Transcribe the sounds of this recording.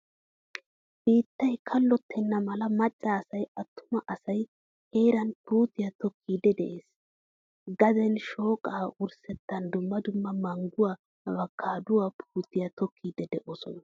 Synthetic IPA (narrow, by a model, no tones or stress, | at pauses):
b̥iːt̪ːɐjkʰɐlːɔt̪ʰːɛnːɐmɐlɐmɐt͡ʃʼːaːsɐjɐt̪ːʊ̥mɐʔɐsɐj | he̞ːɾɐnpuːt̪ɪjɐt̪ɔkʰːiːd̪ɛd̪ɛ̰ʔeːs | ɡɐd̪ɛnʃo̞ːkʼaːʔʊɾsɛt̪ːɐnd̪ʊmːɐd̪ʊmːɐmɐŋɡʊwaː | bɐkʰːaːd̪ʊwaːpʰuːt̪ɪjat̪ɔkʰːiːd̪ɛd̪ɛʔɔsɔnɐ